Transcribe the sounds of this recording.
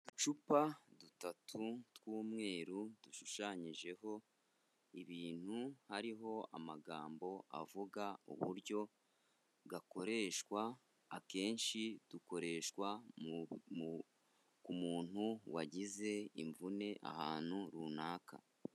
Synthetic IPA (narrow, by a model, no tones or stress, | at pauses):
t͡ʃupadutatʰutwuːmŋe̞ːɾud̥uʃuʃaɲiʒe̞ɦo̞ | iβiːn̥huhaɾiɦo̞a̰maɡaːmbo̞ʔa̰vuɡaṵβṵɾɟo̞ | ɡako̞ɾe̞ʃkwaː | ke̞ːnʃid̥uko̞ɾe̞ʃkwa | kumuːn̥huwaɟize̞iɱvune̞ʔa̰haːn̥huɾuːnaːkʰa̰